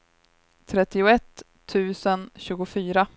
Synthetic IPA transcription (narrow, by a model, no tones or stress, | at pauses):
t̪ʰɾɛt̪ːɪʊɛt̪ʰː | ʉ̟ːsənɕʉ̟ːɡʊfyːɾa